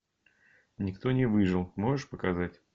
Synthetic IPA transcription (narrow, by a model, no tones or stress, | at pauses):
nʲɪkt̪o̞nʲɪvɨʐɨlˠmo̞ʐɨʂpəkɐzatʲ